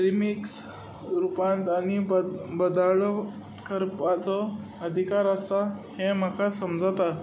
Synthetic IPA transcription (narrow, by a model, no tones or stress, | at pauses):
ɾimiks | ɾupãnt̪añibbəd̪aɭ | kəɾpat͡sɔ | əd̪ʱikaɾəsahẽm̤akʰasəmd͡zat̪a